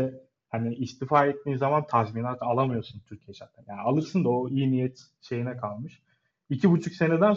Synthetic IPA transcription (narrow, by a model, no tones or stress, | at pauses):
ɛ | haniːst̪ʰifaːet̪ʰːiːzamant̪ʰazminaːt̪ʰalˠamɯjo̞ɾsunt̪ʰyɾcʰijɛt͡ʃʰat̪ʰanjaːnialˠɯɾsɯnd̪aoiːnijɛt̪ | ʃe̞jinɛkʰalˠmɯʃ | icʰibut͡ʃʰukse̞ned̪æn